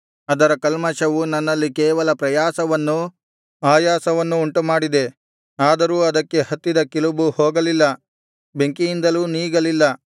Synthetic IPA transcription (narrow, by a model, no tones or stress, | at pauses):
ɐd̪ɐɾɐkɐlmɐʃɐʋunɐnːɐlːikɛːʋɐlɐpɾɐjaːsɐʋɐnːu | aːjaːsɐʋɐnːuːɳʈumaːɽid̪e̞ | aːd̪ɐɾuːɐd̪ɐkːe̞hɐt̪ːid̪ɐkilubuhoːɡɐlilːɐ | beŋkijind̪ɐluːniːɡɐlilːɐ